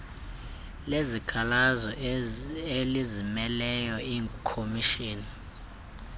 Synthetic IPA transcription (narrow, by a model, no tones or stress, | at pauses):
lezikʰalazɔ | elizimɛlɛjɔiːŋkʰomiʃiːni